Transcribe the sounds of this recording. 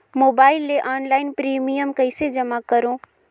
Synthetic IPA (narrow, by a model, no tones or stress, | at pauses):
moːbaːɪlːeʔaːnlaːɪnpɾimijəmkəɪsed͡ʒəmakəɾõ